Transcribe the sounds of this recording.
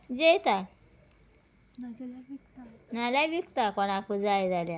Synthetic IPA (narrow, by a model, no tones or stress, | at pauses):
d͡ʑejt̪a | nalabikt̪akɔñakud͡zajd͡zalja